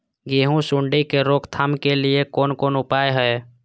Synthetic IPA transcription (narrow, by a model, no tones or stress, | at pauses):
ɡeɦũsuɳɖikeɾokt̪ʰaːmkeliekoːnkonupajɦəe